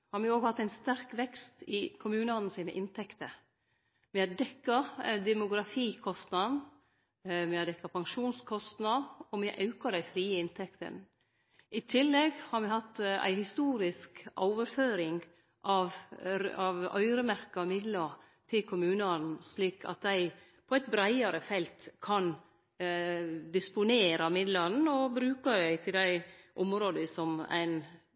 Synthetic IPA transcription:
hɑɾmɪoːɡhɑt̪ːæɪnst̪æɾkʋɛkst̪ɪkʰʊmʉːnəɔːnn̩siːnə̰ʔɪnt̪ʰɛkt̪əɾ | mɪhɑdɛkːɑd̪ɛmʊɡɾɑfiːkʰɔst̪nɑnn̩ | mɪɑd̪ɛkːɑpɑŋʃuːnskʰɔst̪nɑɔmɪʔɑʉkɑd̪æɪfɾiːəɪnt̪ʰɛkt̪ə̰n | ʔɪt̪ʰɪlːɛɡhɑɾmɪhɑt̪ːæ̰ɪhɪst̪uːɾɪskʔɔ̰ːʋəɾføːɾɪŋ | ʔɑʋ | ɑʋœ̰ʏɾəmæɾkɑmɪd̪lɑ | t̪ʰɪlkʰʊmʉːnɑnsliːkʰɑ̰t̪̚d̪æɪ | pʰɔæɪt̪̚bɾæɪɑɾəfɛlt̪kʰɑn | d̪ɪspʊneːɾɑmɪd̪lɑɾn̩ɔbɾʉːkɑd̪æɪt̪ʰɪld̪æɪʔɔmɾoːd̪əsɔmæ̰ɪn

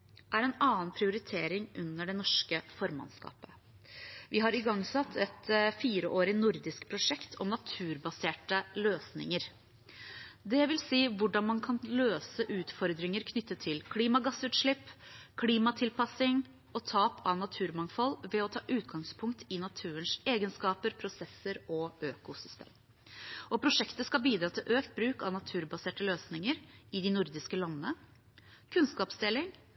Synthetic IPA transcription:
ʔæɾɛnɑːənpʰɾɪʊɾɪt̪ʰeːɾɪŋʔʉnːəɖɛnɔʂkəfɔɾmɑ̰nskɑ̰ːpə̥ | ʋɪɦɑɾɪɡɑŋsɑt̪ʰːɛt̪fiːɾəʔoːɾɪnʊɾd̪ɪskpʰɾʊʂɛkt̪ʰɔ̰mnɑt̪ʰʉːɾbɑseːʈəløːsnɪ̰ŋəɾ | d̪ɛʋɪlsiːʋʊɖɑnmɑnkʰɑnløːsəʔʉːt̪fɔɾd̪ɾɪŋəɾkʰnʏt̪ʰːət̪ʰːɪlkʰliːmɑɡɑsʉːt̪ʂɭɪpːkʰliːmɑt̪ʰɪlpʰɑsɪŋ | ɔt̪ʰɑːpʰɑnɑt̪ʰʉːɾmɑŋfɔlʋɛɔt̪ʰɑːʔʉːt̪̚ɡɑŋspʰʊŋkt̪ʰɪnɑt̪ʰʉːənseːɡənskɑːpəɾpʰɾʊsɛsəɾɔøːkʊsʏst̪ḛːm | ɔpʰɾʊʂɛkt̪əskɑbiːd̪ɾɑːt̪ʰɪlʔøːkt̪̚bɾʉːkɑnɑt̪ʰʉːɾbɑseːʈəløːsnɪŋəɾɪd̪ɪnʊɾd̪ɪskəlɑnːənə | kʰʉnskɑːpsd̪elɪŋ

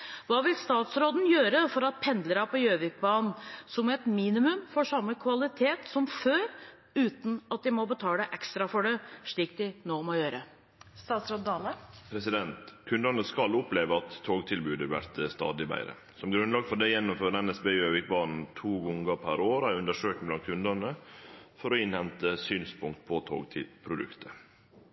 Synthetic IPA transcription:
ʋɑːʋɪlst̪ɑːt̪sɾoːd̪n̩jøːɾəfɔɾɑt̪̚pʰɛnd̪ləɾɑpʰɔjøːʋɪk̚bɑːnn̩sɔmɛt̪miːnɪmʉmfɔʂɑmːəkʰʋɑlɪt̪ʰeːt̪sɔmføːɾ | ʉːt̪n̩ɑt̪̚d̪ɪmɔbət̪ʰɑːlæʔɛkst̪ɾɑfɔɖɛʂɭiːk̚d̪ɪnoːmɔjøːɾə | st̪ɑːt̪sɾoːd̪ɑlɑpʰɾɛsɪd̪ɛnt̪kʰʉnd̪əɾnəskɑlʊpleːʋəɑt̪ʰːoːɡt̪ʰɪlbʉːd̪əʋæ̰ɾt̪əst̪ɑ̰ːd̪ɪbæ̰ɪɾə̰ | sɔmɡɾʉnlɑːɡfɔɖɛɪjɛnːʊmføːɾəɛnɛsbeːøːʋɪk̚bɑːnn̩t̪ʰuːɡɔŋɡəpʰæɾoːɾæɾʉnd̪əʂøːktblɑnt̪̚kʰʉnd̪ənəfɔɾɔɪnhɛnt̪əsyːnspʰʊŋkt̪̚pʰɔt̪ʰo̰ːɡt̪ʰɪ̰pʰɾʊd̪ʉ̰kt̪ʰə

